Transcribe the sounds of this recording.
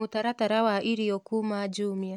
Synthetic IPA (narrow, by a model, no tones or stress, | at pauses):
utaɾataɾawaʔiɾijɔkumad͡ʒumia